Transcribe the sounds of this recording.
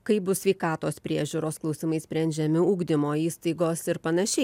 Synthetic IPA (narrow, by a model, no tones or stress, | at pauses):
kɐɪbʊssʲʋʲɛɪkɑːt̪oːspʲɾʲiɛʒʲuːɾoːsklˠɐʊsʲɪmɐɪsʲpʲɾʲɛnʲd͡ʒʲɛmʲɪuːɡd̪ʲɪmoːiːst̪ɐɪɡoːsɪɾpɐnɐʃʲɛɪ